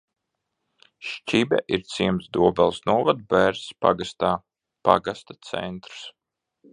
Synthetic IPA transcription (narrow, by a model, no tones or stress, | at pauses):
ʃt͡ʃibʲɛ̰ʔiɾt̪siɛmsd̪uɔbɛlˠsnuɔvad̪̚bæɾspa̰ɡast̪aː | pa̰ɡast̪ḁt̪sɛ̰nt̪ɾu̥s